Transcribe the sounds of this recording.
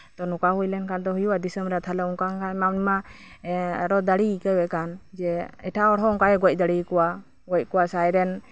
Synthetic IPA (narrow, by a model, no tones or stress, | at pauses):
t̪ɔnɔkaɦujlɛnkand̪ɔɦujuwad̪isəmbɾat̪ʰalaɔŋkakamamnima | a̰ɾɔd̪aɽiːkəbɛʔkand͡ʒɛɛʈʰaɔɽɦɔɔŋkajɛɡɔc̚ˀd̪aɽikɔwa | ɡɔc̚kɔwasajɾɛn